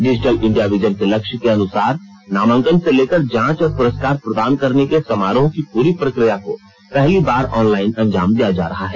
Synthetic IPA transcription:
ɖɪd͡ʒɪʈəlɪ̃ɳɖijaʋɪd͡ʒənkelɐkʃkeɐnʊsaːɾnaːmə̃ŋkənseleːkəɾd͡ʒãːt͡ʃɔːɾpʊɾəskaːɾpɾɐd̪aːnkɐɾnekesɐmaːɾõkipuːɾipɾɐkɾijako | pɛɦlibaːɾɔːnlaːɪnɐ̃ɲd͡ʒaːmd̪ijad͡ʒa̰ːɾɐɦaɦɛː

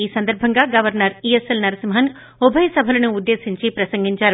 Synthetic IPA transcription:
iːsɐnd̪ɐɾbʱɐŋɡaːɡɐʋɐɾnɐɾieselnɐɾɐsimɦɐn | ubʱɐjɐsɐbʱɐlɐnuud̪ːe̞ːsiɲt͡ʃipɾɐsɐŋɡiɲt͡ʃaːɾu

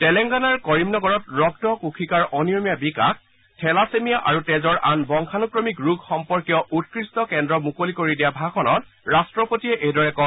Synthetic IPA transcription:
tɛlɛŋɡanaɹkɔɹimnɔɡɔɹɔtɹɔktɔkukʰikaɹʔɔnijomjabika̰k̚ʰ | tʰɛlasemijaʔaɹutɛzɔɹʔanbɔŋkʰanukɹɔmikɹuɡxɔmpɔɹkijɔʔutkɹistɔkɛndɹɔmukolikoɹidijabʱaxʰɔnɔt | ɹastɹɔpotiɛʔedɔɹɛkɔ

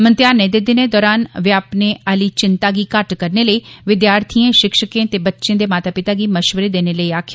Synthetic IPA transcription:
mənt̪jaːnẽːd̪ɪd̪ɪneːd̪ɔːɾaːnʋɪaːpneːaliːt͡ʃɪnt̪aːɡiːkəʈkəɾneːləiːʋɪd̪jaːɾt̪ʰiẽːʃɪkʃəkẽːt̪eːbətːʃɪẽːd̪eːmaːt̪aːpɪt̪aːɡiːməʃʋəɾeːd̪eːneːləiːaːkʰ

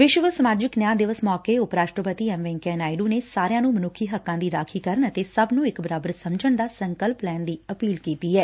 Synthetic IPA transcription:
ʋɪʃʋəsəmaːd͡ʒɪknjãːd̪ɪʋəsmɔːkeːʊpɾaːʃʈɾəpət̪iːɛmʋɛ̃ːŋkɛːnaːiɖuːneːsaːɾɪjãːnũːmənʊkʰiːɦəkːãːd̪iːɾaːkʰiːkəɾənət̪eːsəbnũːɪkbəɾaːbəɾsəmd͡ʒəɳd̪aːsəŋkəlplɛːnd̪iːəpiːlkiːt̪iːɛː

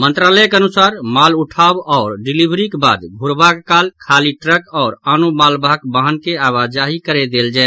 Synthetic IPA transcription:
mənt̪ɾaləjkənusaɾmaluʈʰabɔːɾɖilibɾikeba̰d̪ɡʱuɾbakekalkʰaliʈɾəkɔːɾanumalbʱakbaɦənkeaβad͡ʒaɦikəɾed̪eld͡ʒaɛ

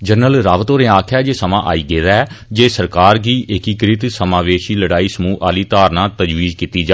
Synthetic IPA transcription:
d͡ʒənəlɾaːʋət̪oːɾẽːaːkʰaːd͡ʒeːsəmãːʔa̰ːiːɡeːd̪ad͡ʒeːsəɾkaːɾɡiːʔɪkiːkɾɪt̪səmaːʋeːʃiːləɽaːiːsəmuːʔaːliːt̪aːɾnãːt̪əd͡ʒʋiːzkiːt̪iːd͡ʒaː

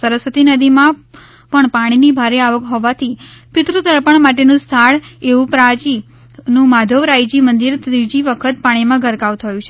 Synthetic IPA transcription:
səɾəsʋət̪inəd̪imã | pəɳpaɽ̃inibʱaɾeaʋəkɦɔʋat̪ʰipɪt̪ɾut̪əɭpəɳmaʈ̬enũst̪ʰaɭeʋũpɾad͡ʒi | nũmad̪ʱəʋɾajd͡ʒimənd̪iɾt̪id͡ʒiʋəkʰət̪̚paɽ̃imãɡʱəɾkaʋt̪ʰəjũt͡ʃʰe

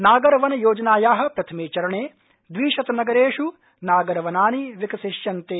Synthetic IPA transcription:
naːɡɐɾɐʋɐnɐjoːd͡ʒɐnaːjaːɦɐ̆pɾɐt̪ʰɐmeːt͡ʃɐɾɐɳeː | d̪ʋiːʃɐt̪ɐnɐɡɐɾeːʃu | naːɡɐɾɐʋɐnaːniʋikɐsiʃjɐnt̪eː

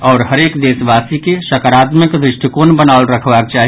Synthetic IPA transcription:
ɔːɾɦəɾekd̪eːsbaːsikeʃəkaɾaːt̪məkd̪ɾɪʃʈikonbənaʊlɾəkʰbak̚t͡ʃaːɦi

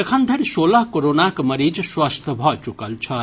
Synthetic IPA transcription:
ɐkʰand̪ʱəɾsolaɦkoɾonakmɐɾid͡ʒswast̪ʰəbʱɔt͡ʃukɐlt͡ʃʰʌ

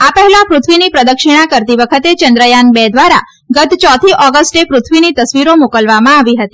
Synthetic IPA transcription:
apəɦɛlãpɾʊt̪ʰʋinipɾəd̪əkʃiɽ̃akəɾt̪iʋəkʰət̪et͡ʃənd̪ɾəjanbɛd̪ʋaɾa | ɡət̪t͡ʃɔt̪ʰiʔɔɡəsʈepɾʊt̪ʰʋinit̪əsʋiɾomokəlʋamãaʋiɦət̪i

